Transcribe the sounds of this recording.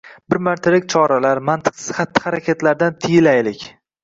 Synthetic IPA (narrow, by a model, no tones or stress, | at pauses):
bɪɾmaɾt̪ʰalɪk̚ʲt͡ʃʰɒɾalaɾmant̪ʰɨ̥qsɪ̥z̥χat̪ːɪ̥χaɾakʲet̪laɾd̪ant̪ʰɪjɪlajlɪkʲ